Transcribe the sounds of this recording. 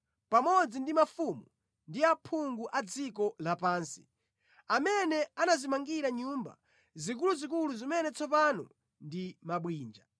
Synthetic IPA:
pamɔd͡zindimafumu | ndiapʰuŋɡuʔad͡zikɔlapaːnsi̥ | amɛnɛanazimaŋɡiɾaɲuːmba̰ | zik̬uluzik̬uluzimɛnɛt͡sʰɔpanɔ̰ | ndimaɓwiːnd͡ʒa

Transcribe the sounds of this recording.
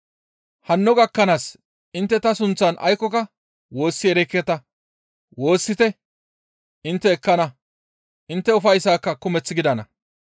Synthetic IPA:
hɐnːɔɡɐkːɐnaːs | ɪnt̪ːɛt̪ɐsʊnt͡sːɐnʔɐ̰jkːɔkɐ | wo̞ːsːɪɛɾɛkːɛt̪ɐ | wo̞ːsːɪt̪ɛ | ɪnt̪ːɛːkːɐnɐ | ʔɪnt̪ːɛʊfɐjsaːkːɐkʊmɛt͡sːɪɡɪd̪ɐnɐ̰

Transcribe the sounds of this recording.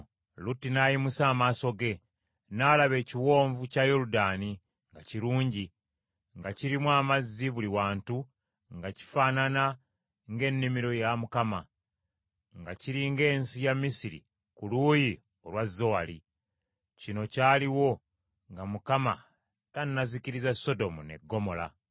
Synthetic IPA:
lutːinajimusaːmaːso̞ɡe̞ | nalaβe̞ːciwo̞ːɱvucajoɾudaːni | ŋɡaciɾuːɲɟi | ŋɡaciɾimwaːmazːiβuliwaːntu | ŋɡaci̥faːnana | ŋɡe̞nːimiɾo̞jamukama | ŋɡaciɾiŋɡe̞ːnsijamːisiɾḭ | kuluːji | o̞lwazːo̞wali | cino̞caːliwo̞ | ŋɡamukama | tanːaziciɾizaso̞do̞mune̞̰ɡːo̞mo̞la̰

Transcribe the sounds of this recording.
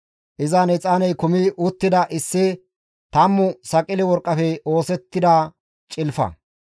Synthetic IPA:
ʔɪzanɛt͡sʼaːnɛjkʊmɪʔʊt̪ːɪd̪ɐʔɪsːɪ | t̪ɐmːʊsɐkʼɪlɪwɔɾkʼːɐfɛo̞ːsɛt̪ːɪd̪a | t͡ʃʼɪlfɐ̰

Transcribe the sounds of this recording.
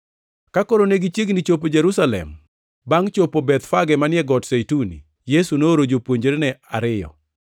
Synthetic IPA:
kakoɾoneɡit͡ʃjeɡnit͡ʃop̬od͡ʒɛɾusalɛ̰m | baŋt͡ʃopobɛt̪faɡɛmanɪɛɡɔtsejtunḭ | jesunoːɾod͡ʒopwoɲd͡ʒeɾenɛaɾɪjɔ̰

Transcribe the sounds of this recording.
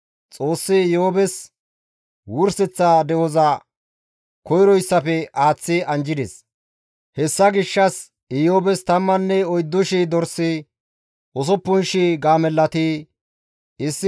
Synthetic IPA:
t͡sʼo̞ːsːɪjobɛs | wʊɾsɛt͡sːad̪ɛwɔzɐ | kɔjɾɔjsːɐpɛaːt͡sːɪɐnd͡ʒɪd̪ɛ̰s | hɛsːɐɡɪʃːɐs | ɪjoːbɛst̪ɐmːɐnːɛɔjd̪ːʊʃid̪ɔɾsːi | ʔɔs̬ɔpːʊnʃiɡaːmɛlːɐt̪i | ɪsːɪ

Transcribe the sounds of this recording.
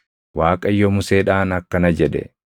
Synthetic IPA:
waːkʼɐjːɔmʊseːᶑaːnɐkːɐnɐd͡ʒɛᶑɛ̰

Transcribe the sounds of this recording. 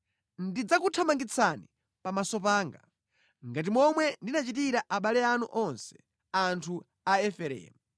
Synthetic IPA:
ndid͡zakutʰamaŋɡit͡sʰani | pamasɔpaːŋɡa̰ | ŋɡat̬imɔmwɛndinat͡ʃitiɾaʔaɓalɛanṵʔɔnsɛ̥ | antʰu | aɛfɛɾɛ̰ːmu

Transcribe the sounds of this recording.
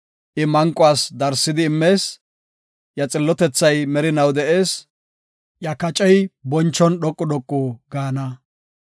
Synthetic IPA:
ʔɪmɐŋkʼːʊaːsd̪ɐɾsːɪd̪ɪːmːe̞ːs | jɐt͡sʼɪlːɔt̪ɛt͡sːɐjmɛɾɪnɐwd̪ɛʔe̞ːs | jɐkɐt͡ʃʼɛjbɔnt͡ʃːɔnɗɔkʼːɔɗɔkʼːuːɡaːnɐ

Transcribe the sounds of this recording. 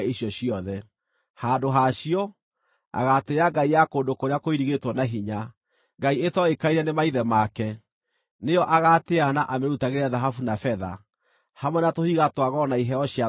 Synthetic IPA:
iɕjɔɕiɔðɛ | haːdoɦaɕiɔ | a̰ɣateaɡaijakoːndokoɾeakoiɾiɣetwɔnaɦiɲa | ɡaietɔekaiɾɛnemaiðɛmakɛ | neɔʔaɣateanaʔameɾutaɣeɾeaðaɦafunafɛða̰ | hamwɛnatohiɣatwaɣɔnaiɦɛɔɕja

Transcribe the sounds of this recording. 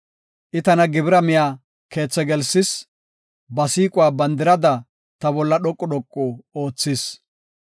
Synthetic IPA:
ʔɪt̪ɐnɐɡɪbɪɾɐmɪjaː | ke̞ːt͡sːɛɡɛlsɪs | bɐsiːkʼʊwaːbɐnd̪ɪɾɐd̪ɐ | t̪ɐbɔlːɐɗɔkʼːɔɗɔkʼːɔoːt͡sːɪs

